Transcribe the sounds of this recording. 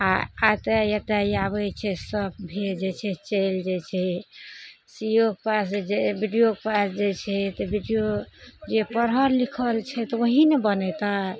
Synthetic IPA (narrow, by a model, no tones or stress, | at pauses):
aat̪ejet̪aiaβət͡ʃʰɛsəb̚bʱed͡ʒet͡ʃʰɛt͡ʃeld͡ʒet͡ʃʰɛ | sijokepasd͡ʒebʱiɖijokepasd͡ʒet͡ʃʰɛt̪ɔbʱiɖijod͡ʒepəɾɦəɾlikʰəlt͡ʃʰɛt̪ɔwoɦinebənɛt̪a